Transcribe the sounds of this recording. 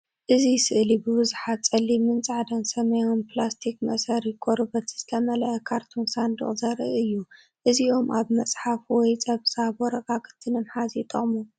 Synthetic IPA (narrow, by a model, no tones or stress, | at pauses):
ʔɨzisɨʔlibɨβɨzuħat̪̚t͡sʼɐlːimɨnt͡sʼaʕd̪ɐnsɐmɐjonplast̪ʰikmɐ̰sɐɾikʰʼoɾɨbɐt̪ʰz̥ɨt̪ʰɐmɐlɐʔɐkʰaɾt̪ʰunsand̪ɨ̰χʼzɐɾɨ̰ʔɨjːu | ʔɨziʔo̞mʔaβmɐt͡sʼħafwɔjt͡sʼɐβsaβwɔɾɐkʼakʰɨ̥t̪ʰːɨnɨmħazit̪ʼɐχʼmu